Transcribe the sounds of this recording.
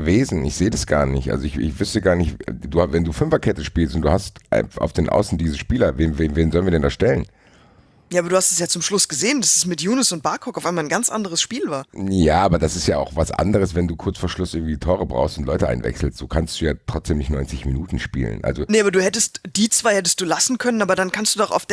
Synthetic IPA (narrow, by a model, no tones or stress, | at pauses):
əveːzn̩ɪçz̥eːədasɡ̥a̰ːɐnɪçtʔa̰lzoɪçɪ̰çv̥ʏstəɡaːɐnɪçtduːvɛnduːfʏmvɐkʰɛtəʃpiːlstʊntd̥uːhastʔa̰ʊfd̥eːnʔa̰ʊsn̩diːzəʃpiːlɐveːnveːnveːnzɔlənviɐdɛndasʃtɛlən | jaːbɐduːhastɛ̥sjaːt͡sʊmʃlʊsɡ̥əzeːəndasɛsmɪtjuːnʊsʊnt̚b̥aɐkʰɔkaʊfʔaɪmalnɡant͡sʔa̰ndəʁ̞əsʃpiːlvaːɐjaːʔaːbɐdasɪstjaːa̰ʊxv̥asʔa̰ndəʁəs̬vɛnduːkʰʊɐt͡sfoːɐʃlʊsʔɪɐɡŋ̩tv̥iːtʰɔːʁəbʁa̰ʊxstʊntlɔʏtəʔa̰ɪnvɛ̰ksl̩stz̥oːkʰanstd̥uːjaːtʁ̥ɔt͡sd̥eːmnɪçtnɔʏnt͡sɪçminuːtn̩ʃpḭːlə̰nʔa̰lzonəaːbɐduːhɛtəstd̥iːt͡sv̥aɪhɛtəst̚d̥uːlasn̩kʰœnənaːbɐdankʰanstd̥uːdɔχa̰ʊfd̥